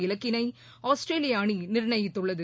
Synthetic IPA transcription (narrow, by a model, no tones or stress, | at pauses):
ɪlɐkːɪnɐɪ | aːsʈɾeːlɪjaːninɪɾɳɐjɪt̪ːɯɭːɐðɯ